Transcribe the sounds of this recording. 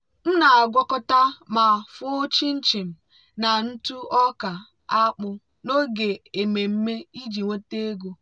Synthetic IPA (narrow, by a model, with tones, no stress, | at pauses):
n̩˦na˨a˨ɡʷɔ˦kʊ˦ta˦ma˨fʊ˦t͡ʃi˦n̩˦t͡ʃi˨m̩˨ | na˨n̩˦tu˦ɔ˦ka˨ | a˦k͡pʊ˦ | no˦ɡe˨e˨me˨m̩˦me˦i˦d͡ʒi˨ŋʷo˦te˦ɡo˦